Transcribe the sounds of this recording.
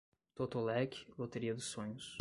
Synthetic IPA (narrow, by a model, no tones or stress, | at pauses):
t̪ot̪olɛkʲɪ̥lot̪eɾiɐd̪ʊsõɲʊs